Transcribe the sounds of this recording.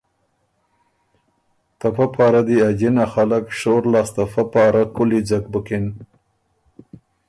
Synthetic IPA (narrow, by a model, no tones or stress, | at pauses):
t̪afapɑːɾad̪iad͡ʒinaxalakʂoɾlɑːst̪afapɑːɾakʊlid͡zak̚bəkɪn